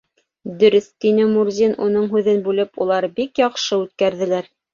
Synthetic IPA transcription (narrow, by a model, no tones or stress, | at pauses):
d̪ɵ̆ɾɵθt̪inɘmuɾzʲinunɤɴɦʉðɘnbʉlɘpulˠɑɾbikjɑqʃɤʉt̪̚kæɾðɘ̆læɾ